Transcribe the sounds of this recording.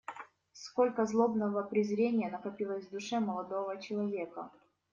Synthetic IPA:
skolʲkəzlˠo̞bnəvəpɾʲɪzɾʲenʲɪjənɐkɐpʲilˠəzʲvd̪ʊʂɛmɐlˠɐd̪ovət͡ɕɪlˠɐvʲe̞kə̰

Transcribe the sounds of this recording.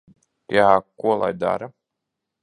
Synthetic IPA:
jaːkuɔlˠa̰jd̪a̰ɾa

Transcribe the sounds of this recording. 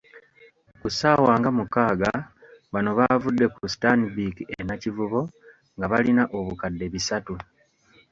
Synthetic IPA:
kusaːwaːŋɡamukaːɡa | βano̞βavudːe̞kustanibikienacivuβo̞ | ŋɡaβalinaʔo̞βukadːe̞βisatu

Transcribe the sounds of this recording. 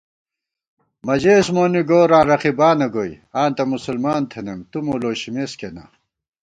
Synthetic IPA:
mɐd͡ʑeːsmoːniɡoːɾãːɾɐqibaːnɐɡoj | aːnt̪ɐmusulmaːnt̪ʰenemt̪umoloːɕimeskena̰

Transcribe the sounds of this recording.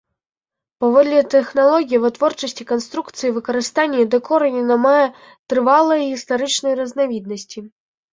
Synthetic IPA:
pavɔd̪lʲɛt̪ɛxnalˠɔɣʲijivɨt̪vɔrt͡ʂɐsʲt͡sʲikanst̪ɾukt̪sɨjivɨkɐɾɨst̪anʲːɐd̪ɛkɔɾɐnʲɛnɐmajɛ | t̪ɾɨvalˠɐjɣʲist̪aɾɨt͡ʂnɐjrɐznavʲid̪̚nɐsʲt͡sʲi

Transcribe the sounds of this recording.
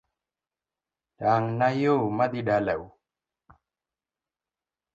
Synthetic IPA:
ɗaŋnajomaɗ̪iɗaləw

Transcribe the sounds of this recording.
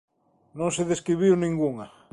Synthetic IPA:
nõŋseðeskɾiβ̞iwnĩŋɡuŋa

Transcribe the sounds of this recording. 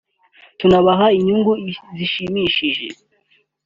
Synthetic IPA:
tunaβaɦaiɲuŋɡuziʃimiʃiʒḛ

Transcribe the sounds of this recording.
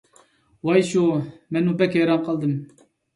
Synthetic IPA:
wɑjʃumɛnupɛkʲhɛjɾɑnqʰɑlˠd̪ɨm

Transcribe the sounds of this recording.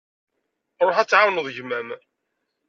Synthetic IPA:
ɾˤoħæt͡sːʕawnəðˤʝmæm

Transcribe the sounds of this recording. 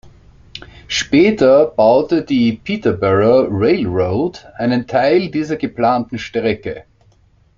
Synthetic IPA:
ʃpɛːtɐb̥aʊtədiːpʰiːtɐbɛʁɐʁeɪlʁoʊtʔaɪnəntʰaɪldiːzɐɡəplaːntn̩ʃtʁɛkə

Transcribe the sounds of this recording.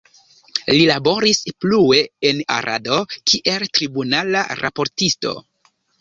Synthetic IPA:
lilabo̞ɾisplue̞ena̰ɾa̰do̞kʰiʔe̞ltɾibunalaɾa̰po̞ɾtisto̞̰

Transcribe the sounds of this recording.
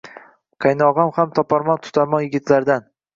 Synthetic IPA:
qʰajnɒʁɒmhamt̪ʰɒpʰɒɾmɒnt̪ʰʊ̥t̪ʰaɾmɒnjɪɡʲɪt̪ʰlaɾd̪an

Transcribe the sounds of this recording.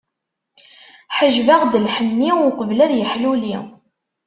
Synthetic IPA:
ħəʒvaʁd̪əlħənːiʊqəvlæðjəħluli

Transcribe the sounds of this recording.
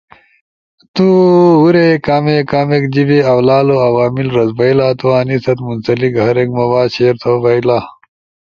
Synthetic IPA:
t̪uuɾekaːmekaːmekd͡ʑibeɐwlaːloɐwaːmilɾɐzbɐilaːt̪uwaːnisɐt̪munsɐlikɐɾekmɐwaːɕeɾt̪ʰobɐilaː

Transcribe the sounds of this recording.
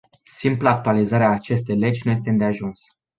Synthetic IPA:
simplaːk̚t̪ualizaɾeaːt͡ʃe̞st̪e̞jle̞d͡ʒʲnuje̞s̬t̪end̪eaʒuns

